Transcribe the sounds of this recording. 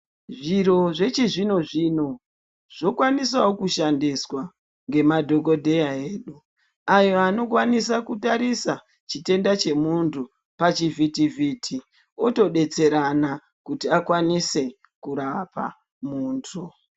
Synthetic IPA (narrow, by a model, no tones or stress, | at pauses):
ʐiɾo̞ʐe̞t͡ʃiʐino̞ʐino̞ | ʐ̥o̞kwanis̬awokuʃandiswa | ŋɡe̞madʱo̞ko̞dʱe̞jaeːɗu | ajo̞ano̞kwanisakutaɾisa | t͡ʃite̞ndat͡ʃe̞muntʰu | pat͡ʃivitivʱitʰi | oto̞ɗe̞t͡se̞ɾana | kutiakwanise̞ | kuɾapa̰ | muːntʰu